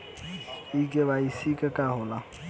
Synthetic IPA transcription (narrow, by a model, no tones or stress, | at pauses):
ikʼeβaisikʼɛkʼaɦʊla